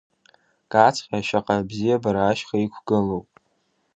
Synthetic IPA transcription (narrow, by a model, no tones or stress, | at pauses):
kʼat͡sʰqʲʼaʃaqʼabzijabaɾaːʃχaikʷʰɡɨlowpʼ